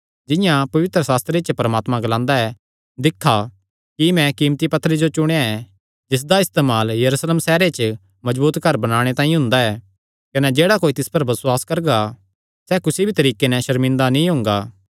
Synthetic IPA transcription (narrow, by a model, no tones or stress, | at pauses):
d͡ʒɪjãpɐʋɪt̪ɾəsaːst̪ɾet͡ʃəpɐɾəmaːt̪mãɡɐlãːnd̪aɛ | d̪ɪkʰːa | kimɛ̃kiːmt̪ipɐt̪ʰːəɾid͡ʒot͡ʃʊɽ̃ejaɛ | d͡ʒɪs̬d̪aɪst̪eːmaːljɐɾuːsleːmsɛːɾet͡ʃə | mɐd͡ʒbuːt̪kɐɾbɐnaːɽ̃et̪aːĩɦʊ̃nd̪aɛː | kɐnɛd͡ʒeːɽakoːit̪ɪspɐɾbɐswaːskɐɾɡa | sɛkʊsibʱit̪ɐɾiːkenɛ̃ʃɐɾmɪ̃nd̪anĩɦʊ̃ːŋɡaː